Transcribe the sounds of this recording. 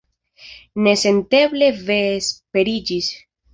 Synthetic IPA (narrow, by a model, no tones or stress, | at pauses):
ne̞se̞nt̪eble̞veːspe̞ɾid͡ʒis